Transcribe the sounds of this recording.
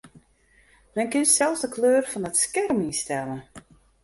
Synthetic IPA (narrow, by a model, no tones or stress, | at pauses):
mɛnkɪnsɛlˠsdəkʰløːrfɔnətskɛrminstɛlən